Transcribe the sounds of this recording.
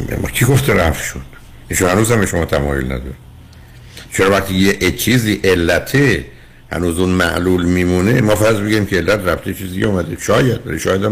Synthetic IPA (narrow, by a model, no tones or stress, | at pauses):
kʰiɡoft̪ʰeɾæfʃun | ʔiːʃunhænuːzhæmbeʃomɒːt̪ʰæmɒ̰ːjolnæ̰d̪ɒ̰ɾe | t͡ʃʰeɾɒːvæχt̪ʰijeʔt͡ʃʰiːziːʔe̞lːæt̪ʰe | hæ̰nuːzunmæ̰ʔluːlmiːmuːnemɒːfæɾzbeɡuɾiːmcʰeelːæt̪ɾæft̪ʰet͡ʃʰiːzd̪iɡeumæd̪eʃɒːjæd̪̥̚bæ̰ɾiʃɒːjæd̪æ